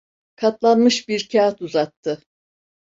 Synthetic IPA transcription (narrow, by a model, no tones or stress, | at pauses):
kʰat̪lˠanmɯʃbiɾcʰaat̪uzat̪ʰːɯ